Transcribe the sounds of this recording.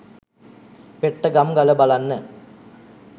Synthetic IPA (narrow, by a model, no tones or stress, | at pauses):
peʈːəɡamɡaləbalanːə